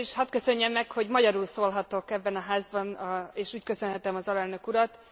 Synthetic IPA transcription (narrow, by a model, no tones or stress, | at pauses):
iʃhɒt̪kø̞sø̞ɲːɛmːɛkho̞ɟmɒɟɒɾulsoːlɦɒt̪okɛbːɛnɒɦaːzbɒneːʃuːckø̞sø̞nɦɛt̪ɛmɒzɒlɛlnø̞kuɾɒt̪